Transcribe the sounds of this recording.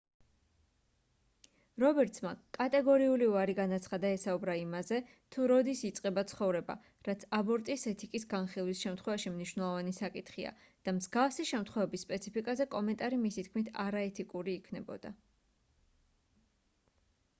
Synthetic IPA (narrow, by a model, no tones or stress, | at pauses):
ɾɔbɛɾt̪smakʼat̪ʼɛɡɔɾiuliuaɾiɡanat̪sʰχad̪aɛsaubɾaimazɛ | t̪ʰuɾɔd̪isit̪sʼqʼɛbat̪sʰχɔvɾɛba̰ | ɾat̪sʰabɔɾt̪ʼisɛt̪ʰikʼisɡanχilˠwisʃɛmt̪ʰχwɛvaʃimniʃwnɛlˠɔvanisakʼit̪ʰχia̰ | d̪̥amzɡafsiʃɛmt̪ʰχwɛvɛbisːpʼɛt̪sʰipʰikʼazɛkʼɔmɛnt̪ʼaɾimisit̪̚ʰkʰmit̪ʰa̰ɾaɛt̪ʰikʼuɾiːkʰnɛbɔ̰d̪̥a̰